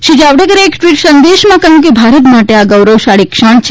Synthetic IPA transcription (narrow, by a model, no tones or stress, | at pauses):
ʃid͡ʒaʋɖekəɾeekʈʋiʈsənd̪eʃmãkəɦũk̬ebʱaɾət̪maʈeaɡəwɾəwʃaɭikʃaɳ̃t͡ʃʰ